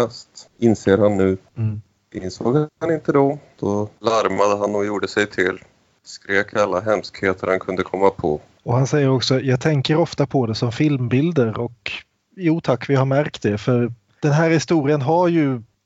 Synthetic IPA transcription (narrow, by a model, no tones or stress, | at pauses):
ɛst̪ɪnseːɾhanːʉ̟ː | ʔɪnso̰ːɡanɪnt̪əd̪ɔd̪̥ɔlaɾmad̪əɦanːɔjuːɖəsɛjt̪ʰɪlː | skɾeːkʰalːaɦɛmskheːt̪əɾhankʰɵnd̪əkʰɔmːapʰɔ̰ | ɔhansɛjːəɾɔksɔjɑːɡ̚t̪ʰɛŋkəɾɔft̪apʰɔd̪ɛsɔmfɪlmbɪld̪əɾɔk | juːt̪ʰakːvɪhaɾmæɾkt̪̚d̪ɛfœɾ | d̪̥ɛnɦæːɾhɪst̪uːɾɪənɦaɾjɵ